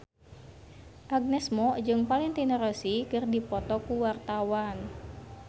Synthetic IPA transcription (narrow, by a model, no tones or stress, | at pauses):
ʔaɡ̚nɛsmɔd͡ʒɨŋpalɪŋt̪inəɾəsikɨrdipɔt̪ɔkuwart̪awan